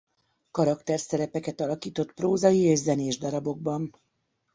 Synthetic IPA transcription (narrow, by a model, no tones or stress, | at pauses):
kɒɾɒkt̪ɛrsɛɾɛpɛkɛt̪ɒlɒkiːt̪o̞t̪proːzɒjieːʒzɛneːʒd̪ɒɾɒbo̞ɡ̚bɒn